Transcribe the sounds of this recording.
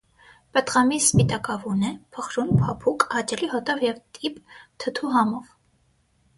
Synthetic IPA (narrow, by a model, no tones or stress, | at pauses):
pət̪ʁɑmispit̪ɑkɑvunɛpʰəχɾunpʰɑpʰukɑt͡ʃɛliɦɔt̪ɔvjɛvt̪ʰipt̪ʰət̪ʰuɦɑmɔv